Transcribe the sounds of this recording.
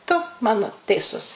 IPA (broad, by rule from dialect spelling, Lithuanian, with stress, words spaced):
tʊ ˈmɑːnoː tʲɛɪˈsʊs